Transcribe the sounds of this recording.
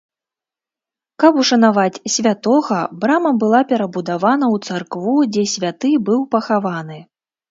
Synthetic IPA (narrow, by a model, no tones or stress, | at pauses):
kɐpuʂɐnavat͡sʲsʲvʲat̪ɔɣɐbɾamɐbɨlˠapʲɛɾɐbud̪avanɐwt̪sarkvud͡zʲɛsʲvʲat̪ɨbɨwpɐxavanɨ